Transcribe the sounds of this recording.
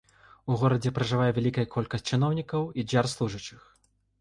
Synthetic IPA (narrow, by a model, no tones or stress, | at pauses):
uɣɔɾɐd͡zʲɛpɾɐʐɨvajɛvʲalʲikɐjɐkʰɔlʲkɐsʲt̚ʲt͡sʲt͡ʂɨnɔwnʲikɐwid͡zʲarslˠuʐɨt͡ʂɨx